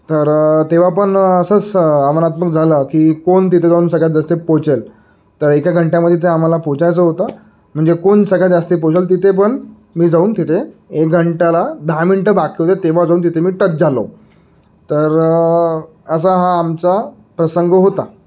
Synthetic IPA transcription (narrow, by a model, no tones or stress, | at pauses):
t̪əɾt̪eʋ̤apəɳəsət͡samənat̪məkd͡zʱaləːkiːkont̪̬it̪ʰed͡zauːnsəɡʱɭad͡zast̪epot͡sel | t̪əɾekjaɡʱəɳʈjaməd̪ʱːjet̪̬eam̤alapot͡ɕajt͡səɦot̪ə | m̤əɳd͡zekonsəɡʱjat̪d͡zast̪epot͡ɕelt̪̬it̪ʰep̬əɳ | miːd͡zauːnt̪it̪ʰeek̚ɡʱəɳʈalad̪ʱamiɳʈəbakʰiɦot̪et̪eʋ̤ad͡zauːnt̪̬it̪ʰemiːʈət̚d͡zʱalo̰ | t̪əɾ | əs̬əɦaːmt͡sa | pɾəsəŋɡɦot̪a